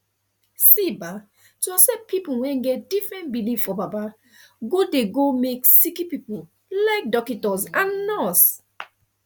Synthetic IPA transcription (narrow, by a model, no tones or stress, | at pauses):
siba | tɔsɛpipuwɛ̃nɡɛt̚d̥ifɹɛ̃ntbiliv̥fɔbaba | ɡodeɡomeksikipipul | laɪk̚dɔkitɔzãnːɔs